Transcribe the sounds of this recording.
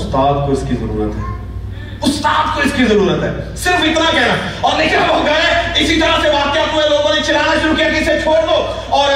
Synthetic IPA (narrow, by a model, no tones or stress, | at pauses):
ʊst̪aːd̪̚koɪskizɐɾṵːɾət̪ɦɛː | ʊst̪aːd̪̚koɪskizɐɾuːɾət̪ɦɛ̰ːsɪɾfɪt̪nakɛɦnaɔːɾnɪkabɐ̃ɡaeɪsit̪ɐɾaɦseʋaːt̪jat̪ueloːɡõnet͡ʃʰɪlaːnaʃʊɾukijakiɪset͡ʃʰoːɽd̪oː | ɔːɾ